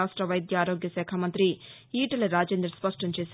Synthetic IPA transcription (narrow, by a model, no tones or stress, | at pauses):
aːʂʈɾɐʋɐjd̪jaaːɾo̞ːɡjɐsɛːkʰamɐnt̪ɾi | iːʈɐlɐɾaːd͡ʒeːnd̪ɾɐspɐʂʈɐmt͡ʃeːs